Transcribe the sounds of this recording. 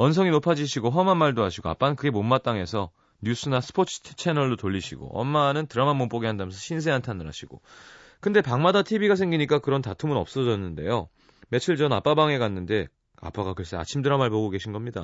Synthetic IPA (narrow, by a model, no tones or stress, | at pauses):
ʌnsʰʌŋinopʰad͡ʑiɕʰiɡoɦʌmanmaɭdoɦaɕʰiɡoa̰p͈ankɯɡe̞momːat͈aŋe̞sʰʌ | ɲjus͈ʰɯnasʰɯ̥pʰot͡ɕʰt͡ɕʰe̞nʌɭːotoʎːiɕʰiɡo̰ʌ̰mːanɯntɯɾamanmomp͈oɡiɦandamjʌnsʰʌɕʰins̬ʰe̞ɦantʰanɯɾɦa̰ɕʰiɡ̥o̰ | kɯnde̞paŋmadatʰibiɡas̬ʰe̞ŋɡiɲik͈akɯɾʌntatʰumɯnʌp̚s͈ʌd͡ʑʌnːɯnde̞̰jo | me̞t͡ɕʰɯiɭd͡ʑʌna̰p͈abaŋe̞ɡanːɯnde̞ | a̰p͈aɡakɯɾʌs͈ea̰t͡ɕʰimdɯɾamaɭpoɡoɡe̞ɕʰinɡʌmɲida̰